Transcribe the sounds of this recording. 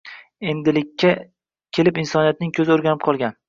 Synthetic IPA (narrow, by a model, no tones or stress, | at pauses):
e̞nd̪ɪlɪkʲʰːa | kʲʰe̞lɪpɪnsɒnijat̪̚nɪŋkʲʰɵzɪoɾɡʲanɪp̚qʰɒlˠɡʲan